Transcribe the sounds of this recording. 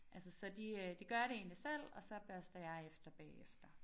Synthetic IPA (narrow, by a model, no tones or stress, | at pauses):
ʔæls̬əsɒ̽d̥id̥iɡ̥ɶɐjɾ̥e̝e̝ːnlisel̰ɒ̽sɒ̽b̥ɶɐsd̥ɐjɑ̈ɪefd̥ɐb̥ɛ̰ːefd̥ɐ